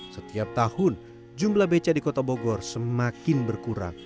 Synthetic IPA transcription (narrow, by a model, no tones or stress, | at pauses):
sət̪iap̚t̪ahʊn | d͡ʒumblahbet͡ʃadikot̪aboɡɔrsəmakɪnbərkuɾa̰ŋ